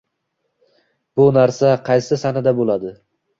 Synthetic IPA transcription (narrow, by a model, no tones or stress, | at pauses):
b̥ʊnaɾsaqʰɑjsɪsanɪd̪abolˠad̪ɪ